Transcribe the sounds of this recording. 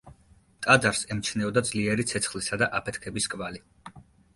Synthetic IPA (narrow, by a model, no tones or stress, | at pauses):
t̪ʼad̪aɾsɛmt͡ʃʰnɛɔd̪ad̪zliɛɾit̪sʰɛt̪sʰχlisad̪aʔapʰɛt̪ʰkʰɛbiskʼvali